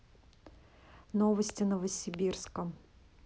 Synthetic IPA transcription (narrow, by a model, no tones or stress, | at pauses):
novəsʲtʲɪnəvəsʲɪbʲirskəm